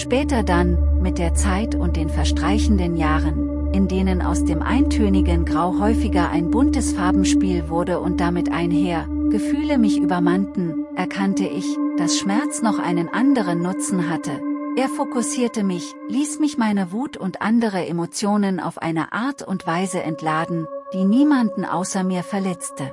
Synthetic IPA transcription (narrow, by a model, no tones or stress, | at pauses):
ʃpɛːtɐdanmɪt̚d̥eːɐt͡saɪtʊnt̚d̥eːnfɛɐʃtʁ̥aɪçn̩dənjaːʁən | ʔɪndeːnənʔa̰ʊsd̥eːmʔa̰ɪntʰøːnɪɡənɡʁaʊɦɔʏfɪɡɐʔa̰ɪnbʊntəsfaɐbm̩ʃpiːlvʊɐdəʔʊnt̚d̥amɪtʔa̰ɪnɦeːɐɡ̥əfyːləmɪçʔyːbɐmantn̩ʔɛɐkʰantəʔɪçd̥asʃmɛɐt͡snɔχʔa̰ɪnənʔandəʁ̞ənːʊt͡sn̩ɦatʰəʔeːɐfokʊsiːɐtəmɪçliːsmɪçmaɪnəvuːtʰʊntʔa̰ndəʁ̞əʔemot͡sjoːnənʔa̰ʊfʔa̰ɪnə̰ʔaɐtʰʊ̰ntv̥aɪzəʔɛntʰlaːdn̩d̥iːniːmandn̩ʔa̰ʊsɐmiːɐfɛɐlɛt͡stə